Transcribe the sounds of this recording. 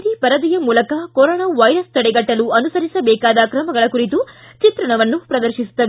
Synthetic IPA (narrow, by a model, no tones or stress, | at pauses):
d̪ipɐɾɐd̪ijɐmuːlɐkɐkoɾɔːnaːʋɐjɾɐst̪ɐɽɛɡɐʈːɐluɐnusɐɾisɐbɛːkaːd̪ɐkɾɐmɐɡɐɭɐkuɾit̪u | t͡ʃit̪ɾɐɳɐʋɐnːupɾɐd̪ɐɾʃisu̥t̪ːɐʋ